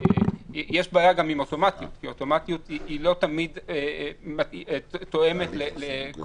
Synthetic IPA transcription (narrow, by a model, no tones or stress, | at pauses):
ejeʃbaːjaɡamimo̞to̞mat̪jṵt̪kiot̪o̞mat̪jut̪iilo̞t̪amid̪emat̪o̞e̞me̞t̪lele